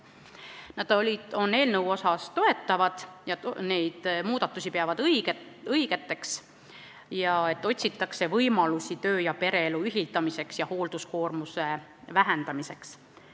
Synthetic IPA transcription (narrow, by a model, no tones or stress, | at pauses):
nɑd̪̥olʲio̞nːe̞ːlnəwo̞sɑst̪o̞e̞t̪ːˑɑvɑd̪̥jɑne̞jd̪̥muːd̪̥ɑt̪ːˑusʲipeɑvɑd̪̥ɡ | ɤjɡ̥e̞t̪ːˑe̞ks | jɑe̞t̪ːo̞t̪ʲsit̪ːˑɑkse̞vɤjmɑlusit̪ø̞ːjɑpe̞ɾe̞ːluyɦilt̪ˑɑmise̞ksjɑho̞ːld̪̥usko̞ːrmuse̞væɦend̪̥ɑmise̞ks